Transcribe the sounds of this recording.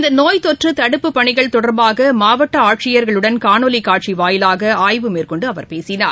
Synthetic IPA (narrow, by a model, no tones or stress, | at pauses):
ɪnd̪ɐnoːjt̪ɔʈrɯt̪ɐɽɯpːɯpːɐɳɪɣɐɭt̪ɔɽɐɾbaːɣɐmaːʋɐʈːɐaːʈ̚t͡ʃɪjɐɾɣɐɭɯɽɐnkaːnoːlɪkːaːʈ̚t͡ʃiʋaːjɪlaːɣɐaːjʋɯmeːrkɔɳɖɯɐʋɐ̰ɾpeːsɪna̰ːɾ